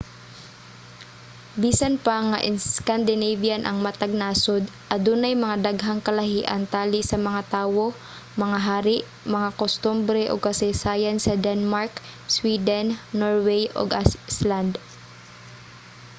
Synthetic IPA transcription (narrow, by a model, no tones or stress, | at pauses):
biːsanpaŋaʔɪnskand̪ɪnejvjanʔɐ̰ŋmɐt̪ɐɡ̚naːsod̪ʔɐd̪unɐjmɐŋad̪aɡɦaŋkɐlɐhiːʔɐ̰nt̪aːlɪsɐmɐŋat̪aːwo̞ | mɐŋaɦaːɾɪʔ | mɐŋakost̪umbɾɛʔoɡ̚kɐsɛjsaːjɐnsɐd̪ɛnmaɹkswiːd̪ɛnːoɹwɛjʔo̰ɡʔasland̪